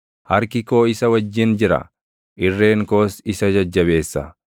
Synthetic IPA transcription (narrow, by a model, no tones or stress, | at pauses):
hɐɾkɪko̞ːɪsɐwɐd͡ʒːɪnd͡ʒɪɾɐ̰ | ʔɪrːe̞ːŋko̞ːsɪsɐd͡ʒɐd͡ʒːɐβe̞ːsːɐ̰